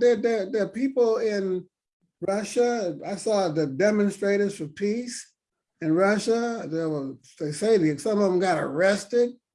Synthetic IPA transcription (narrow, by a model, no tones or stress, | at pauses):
ðə˞ðə˞ðə˞pipl̩ˠɪ̃n | ɹʌʃəaɪsɔðə˞dɛmɨ̃nstɹ̥eɪɾə˞z̥fə˞pʰis | ɨ̃nɹʌʃəðəwʌ | ðeɪseɪðsʌ̃mʌvə̃mɡɑɾə̰˞ɛstɪd̥̚